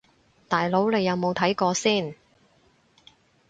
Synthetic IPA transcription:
t̪aː˨˩jlo˨˥wne˨˧jːɐ˨˧wmo˨˧wt̪ʰɐ˨˥jkɔː˧siː˥˩n

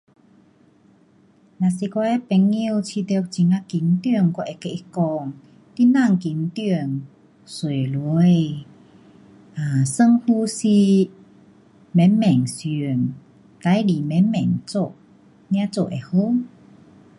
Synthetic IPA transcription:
na˨si˧kɔ˧ʔɛ˧˦pɛ˨˧ŋːi˧wt͡ɕʰi˧t̪̚t͡ɕi˨˧˦ŋa˧ki˨˦nt̪y˧ə˨ŋkɔ˧ʔɛ˧ke˧˨ʔi˧kɔ˧ŋ | t̪i˦˧na˥˧˨ŋki˨˦nt̪y˧əŋ | swe˨˩lu˧˦˧j | a˨˩sə˧ŋhu˧si˧ | mɛ˨˦mmɛ˨˩ŋsi˨˧˨ə˨n | t̪a˧˦jli˨mɛ̃˨˧˦nmɛ̰̃˨˩ŋt͡so˧˨ʔ | nj̃ã˧˦t͡so˧ʔe˨˧˩ho˧˦

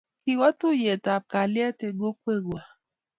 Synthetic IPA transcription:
ki˨wɔ˦tu˦˨je˨ta˨b̚ka˨li˦ɛ˦te˨ɡo˦kʷe˦˨ɡwa˨

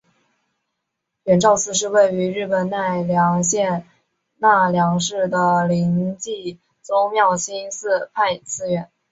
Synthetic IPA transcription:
ɥɛ˨˩nʈ͡ʂɑ˥˧ʊt͡sʰɹ̩˥˧ʂ̬ɻ̩˥˧we˥˩ɪy˧˥ɻɻ̩˥˩pə˨˩nna˥˩ɪljɑ˧˥ŋɕjɛ˥˧n | na˥˩ljɑ˧˥ŋʂɻ̩˥˩d̪ə˩li˧˥ŋt͡ɕi˥˩ | t͡sʊ˥ŋmjɑ˥˩ʊɕi˥nsɹ̩˥˧pʰa˥˧ɪt͡sʰɹ̩˥ɥɛ˨˩˦n

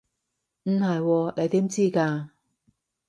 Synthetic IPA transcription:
m̩˨hɐ˨jwɔː˧ne˨˧jt̪iː˨˥mt͡siː˥kaː˧

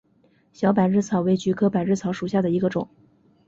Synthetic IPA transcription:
ɕjɑ˧˥ʊp̬a˨˩ɪɻɻ̩˥˩t͡sʰɑ˧˥ʊwe˧˥ɪt͡ɕy˧˥kʰɤ˥pa˨˩ɪɻ̩˥˩t͡sʰɑ˧˥ʊʂu˨˩ɕja˥˩d̪ə˩i˧˥ɡə˧ʈ͡ʂʊ̰˨˩˦ŋ

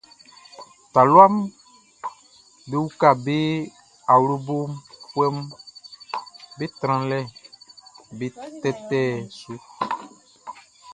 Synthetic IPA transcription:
t̪a˨lwa˦m | be˦wu˦ka˦˨be˦ | a˨wlo˦bo˦mpu˦ɛ˦m | be˦t̪ɾ̃ã˨lɛ˦ | be˨t̪ɛ˦t̪ɛ˦swe˦˨

